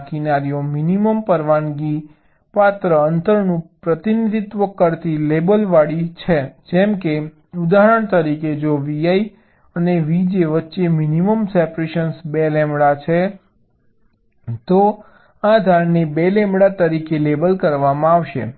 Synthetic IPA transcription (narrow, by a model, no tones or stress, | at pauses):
kinaɾijominiməmpəɾʋanɡi | pat̪ɾəənt̪əɾnũpɾət̪inid̪ʱit̪ʋəkəɾt̪ilebəlʋaɽit͡ʃʰed͡ʒɛmke | ud̪aɦəɾəɳ̃t̪əɾiked͡ʒoʋijai | əneʋid͡ʒeʋətːʃeminiməmsɛpɾeʃənsbelẽmɽat͡ʃʰe | t̪o | ad̪ʱaɾnebelɛ̃mbɽat̪əɾikelebəlkəɾʋamãaʋʃḛ